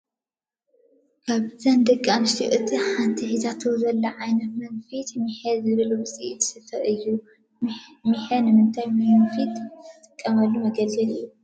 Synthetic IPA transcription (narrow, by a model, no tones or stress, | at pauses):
kʰaβzɐnd̪ɐkʼːanɨʃt̪ʰiʔɨt̪ʰiħant̪ʰihizʰat̪ʰozɐlːɐʕajnɐt̪mɐɡfit̪miħed̪zɨβɨlubɨsʼiʔit̪ʰɨ̥sɨfɐʔɨjːu | miħɐnɨmɨnt̪ʰajmɨfit̪t̪ɨt̪ʼɨkʼːɐmɐlːumɐɡɐlɨljːu